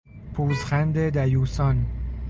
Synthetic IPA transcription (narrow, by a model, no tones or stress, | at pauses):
pʰuːzχænd̪ed̪æjuːsɒn